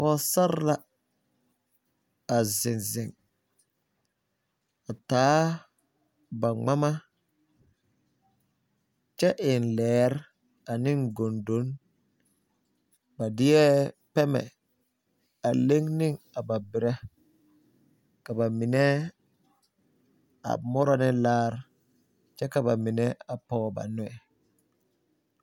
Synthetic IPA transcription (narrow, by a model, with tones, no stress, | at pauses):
kɔ˦sa˦ɾla˦ | a˨zɪ˨nzɪ˨ŋ | a˨taː˨˦ | ba˨ŋ͡ma˦ma˦ | t͡ʃɛ˦ʔɪ˨nlɛː˨˦ɾ | a˨nɪ˦ŋɡo˨ndo˨˦n | ba˨di˦jɛ˦ | pe˦mɛ̰˨ | a˨le˦ŋni˦ŋ | a˨ba˨bi˨ɾe˦ | ka˨ba˨mi˨ne˦ | a̰˨mo˦ɾa˦˨nɛ˦laː˦ɾ | t͡ʃɛ˦ka˨ba˨mi˨ne˦a˨poː˦ba̰˨nu˨ɛ˨